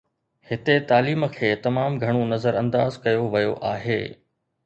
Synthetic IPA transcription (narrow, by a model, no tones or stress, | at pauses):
hɪt̪et̪aːliːmə̆kʰeːt̪ɐmaːmɡʱɐɽ̃onɐzəɾɐ̃nd̪aːzkɐjoʋɐjo̰ʔaːɦḛː